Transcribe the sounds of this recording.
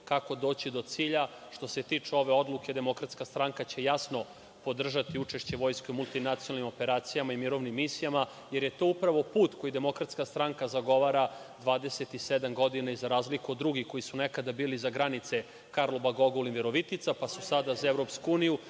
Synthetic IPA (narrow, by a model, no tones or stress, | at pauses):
kako̞d̪o̞ːt͡ɕid̪o̞t̪siːʎa | ʂt̪o̞se̞t̪iːt͡ʂeo̞ʋe̞o̞d̪lˠuke̞d̪e̞mo̞kɾat̪skast̪ɾaŋkat͡ɕe̞jasno̞ | po̞d̪r̩ʒat̪iut͡ʂe̞ʃt͡ɕe̞ʋo̞jsko̞jmulˠt̪inat̪sionalnimo̞pe̞ɾaːt̪sijamaimiɾo̞ʋnimːisijama | je̞ɾjet̪oupɾaʋo̞puːt̪ko̞jid̪e̞mo̞kɾat̪skast̪ɾaŋkazaɡo̞ʋaɾa | d̪ʋaːd̪ese̞t̪ised̪amɡo̞d̪inaizaɾaːzlikuo̞d̪ːɾuɡiko̞jisunekad̪abiːlizaɡɾanit̪se̞ | kaɾlˠobaɡo̞ɡolinveɾo̞ʋit̪it̪sapasusad̪azaevɾo̞pskuuːniju